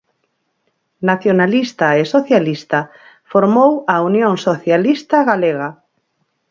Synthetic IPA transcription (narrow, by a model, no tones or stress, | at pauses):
naθjonalist̪aesoθjalist̪a | foɾmowaunjõŋsoθjalist̪aɣaleɣa